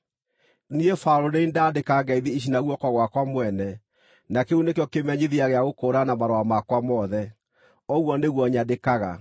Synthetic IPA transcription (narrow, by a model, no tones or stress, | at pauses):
niefaɾoneindaːdekaːŋɡaiðiiɕ̬inaɣwɔkɔɣwakwamwɛnɛ | nakeunekjɔkemɛɲiðiaɣeaɣokoːɾanamaɾoamakwamɔðɛ | ɔɣwɔneɣwɔɲadekaɣa̰